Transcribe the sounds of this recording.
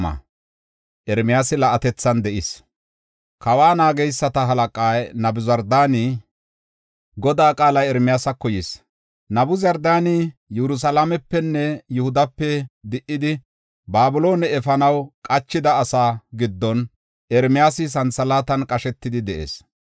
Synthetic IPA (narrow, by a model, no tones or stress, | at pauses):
ɐ̰ | ʔɛɾmɪjaːsɪlɐʔɐt̪ɛt͡sːɐnd̪ɛʔɪs | kɐwaːnaːɡɛjsːɐt̪ɐɦɐlɐkʼaːjnɐbʊzɐɾd̪aːnɪ | ɡɔd̪aːkʼaːlɐjɛɾmɪjaːsɐkːɔjis | nɐbʊzɐɾd̪aːnɪjɛɾʊs̬ɐlamɛpːɛnːɛjʊhʊd̪ɐpːɛd̪ɪʔːɪd̪ɪ | baːbʊlo̞ːnɛɛfɐnɐwkʼɐt͡ʃːɪd̪ɐːsaːɡɪd̪ːɔn | ɛɾmɪjaːsɪs̬ɐnsɐlaːt̪ɐnkʼɐʃɛt̪ːɪd̪ɪd̪ɛʔḛːs